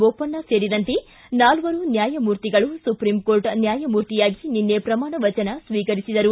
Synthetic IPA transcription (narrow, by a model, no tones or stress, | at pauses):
opːɐnːɐse̞ːɽid̪ɐnt̪e | naːlʋɐɾunjaːjɐmuːɾt̪iɡɐɭusupɾimko̞ːɾʈnjaːjɐmuːɾt̪ijaːɡininːepɾɐmaːɳɐʋɐt͡ʃɐnɐsʋiːkɐɾisid̪ɐɾu